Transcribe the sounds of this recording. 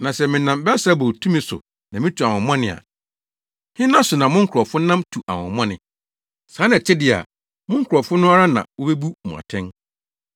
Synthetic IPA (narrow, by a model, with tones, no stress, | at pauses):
nã˨sɛ˨mɪ̃˨nã˨mbɛ˦sa˦bo˨tʰũ˦mɪ̃˨sʊ̰˨ | nã˨mɪ̃˦tʰu˨a˨wɔ̃˨m˦ã˦nɪ̃˨a̰˨ | hɪ̃˦nã˦sʊ˨nã˨mʊ̃˦ŋ̩˦kʰɔ˨fʊ˦nã˦mtʰu˨ʔa˨wɔ̰̃˨m˦ã˦nɪ̃˨ | sãː˨˦ñ˦æ˨t͡ɕʰɛ˦dɪ˦a̰˨ | mʊ̃˦ŋ̩˦kʰɔ˨fʊ˦nʊ̃˦a˦ɾa˦nã̰˨wo˦be˦bu˦mʊ̰̃˨a̰˨tʰɛ̃˦n